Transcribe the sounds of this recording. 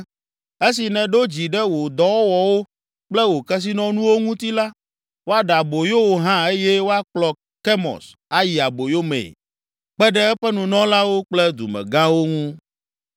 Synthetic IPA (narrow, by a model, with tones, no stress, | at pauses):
e˦si˨nɛ̃˨ɖo˦d͡ʑi˨ɖɛ˦wo˨d̪ɔ˨wɔ˦wɔ˨wo˦ | k͡plɛ˦wo˨kɛ˦s̬i˦nɔ̃˦nũ˦wo˦ŋũ˦t̪i˦la˦ | wo˦a˦ɖa˨bo˨jo˦wo˨ɦã˦e˦jɛ˦wo˦a˦k͡plɔ˨ | ke˦mɔ̰̃˨s | a˦ji˨a˨bo˨jo˦mḛ˨ | k͡pɛ˦ɖɛ˦ɛ˦ɸɛ˦nũ˨nɔ̃˦la˦wo˦k͡plɛ˦d̪ṵ˨mɛ̰˨ɡã˦wo˦ŋũ˦